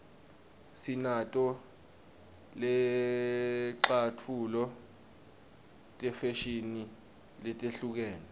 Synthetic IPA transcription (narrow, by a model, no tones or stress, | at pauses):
sinatʼɔ | lɛ | ǁatʰulɔ | tʼɛfɛʃini | lɛtʼeɬuk̬ɛːnɛ